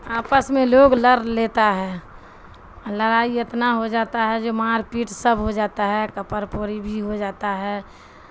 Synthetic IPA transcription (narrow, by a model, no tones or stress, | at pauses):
aːpəsmẽloːɡləɾlet̪aɦɛː | ləɾaːiet̪naɦod͡ʒaːt̪aɦɛd͡ʒomaːɾpiːʈsəbʱɦod͡ʒaːt̪aɦɛkəpəɾpoɾibʱiɦod͡ʒaːt̪aɦɛː